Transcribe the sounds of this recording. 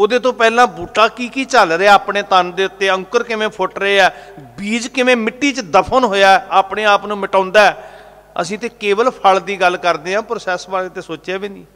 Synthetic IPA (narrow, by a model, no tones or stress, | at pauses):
oːd̪eːt̪õːpɛːlãːbuːʈãːkiːkiːt͡ʃəlɾeɛːaːpɳeːt̪ənd̪eːʊt̪ːeːə̃ŋkəɾkɪʋẽːpʰʊʈɾəeːɛːbiːd͡ʒkɪʋẽːmɪʈːiːt͡ʃd̪əpʰənɦoːjaːɛaːpɳeːaːpnũːmɪʈãːnd̪aːɛː | ə̰sĩːt̪eːkeːʋəlpʰəld̪iːɡəlkəɾd̪eːɦãːpɾoːsɛːsbaːlẽːt̪eːsoːt͡ʃeːbiːniː